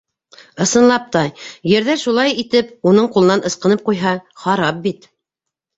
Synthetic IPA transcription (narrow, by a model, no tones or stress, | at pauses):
ɤ̆sɤ̆nlˠɑp̚t̪ɑjjɘ̆ɾðæʃulˠɑjit̪ɘpunɤɴqulˠɤ̆nɑnʔɤ̆sqɤ̆nɤp̚qujɦɑχɑɾɑp̚bit̪